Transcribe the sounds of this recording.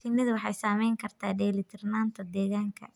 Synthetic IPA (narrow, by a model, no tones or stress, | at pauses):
t̪ʰɪnːɪðʊwɑħɑjsaːmɛjŋkʰɐrt̪ʰaːɖɛːlɪt̪ʰɪrnaːnt̪ʰɔd̪ɛːɣaːŋkʰɐ̰